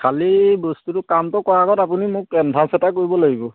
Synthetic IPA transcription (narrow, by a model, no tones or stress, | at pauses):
kʰalibostutʊkamtɔkɔɹaɡɔtapunimʊkːɛndʰʱãsɛtakoɹibɔlaɡibɔ